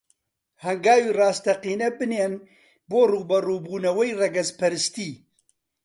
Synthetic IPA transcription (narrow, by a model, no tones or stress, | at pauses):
hɐŋɡaːwiːrɑːst̪ʰɐqiːnɛbɨneːn | boːruːbɐruːbuːnɐwɐjrɐɡɐzpʰɐɾɨst̪iː